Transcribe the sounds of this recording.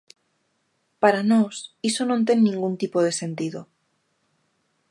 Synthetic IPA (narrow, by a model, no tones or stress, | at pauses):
paɾanosisonõnt̪e̞nːĩŋɡunt̪ipoð̞e̞se̞nt̪iðo